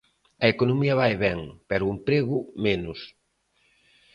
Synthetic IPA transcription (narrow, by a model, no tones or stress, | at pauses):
ɐekonomiɐβajβɛŋpɛɾʊumpɾeɣʊmenʊs